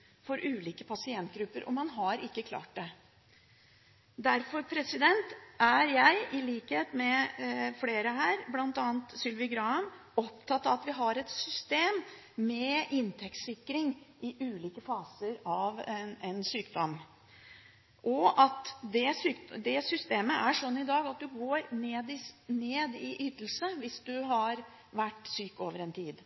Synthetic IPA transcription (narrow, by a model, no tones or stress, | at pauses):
fɔɾʔʉːliːkəpʰɑsɪɛnt̪̚ɡɾʉpːəɾʔɔ̰mɑnɦɑɾɪkːəkʰlɑ̰ːʈ̚d̪ɛ | d̪æɾfɔɾpʰɾɛsɪd̪ɛnt̪ʔæɾjæɪɪliːkheːt̪mɛfleːɾəɦæːɾblɑnt̪ɑːnt̪sʏlʋɪɡɾɑːəm | ɔpt̪ʰɑt̪ːɑʋɑt̪ʋɪɦɑɾɛt̪sʏst̪eːmː | ɛʔɪnt̪ʰɛkt̪sɪkːɾɪŋʔɪʔʉːliːkəfɑːsəɾɑʋɛnsyːkd̪ɔm | ʔɔʔɑt̪d̪ɛsyːkd̪ɛsʏst̪eːməʔæʂɔnːɪd̪ɑːɡɑt̪̚d̪ʉɡoːɾneːd̪ɪneːd̪ɪʔyːt̪əl̩səʋɪsd̪ʉɦɑɾ | ʋæʈːsyːkoːʋəɾɛnt̪ʰiːd̪